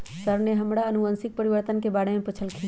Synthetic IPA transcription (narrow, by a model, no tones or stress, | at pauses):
səɾneɦɐmɽaənuʋənsɪk̚pəɾiʋəɾt̪ənkebaːɽemẽpɐt͡ʃʰəlkʰi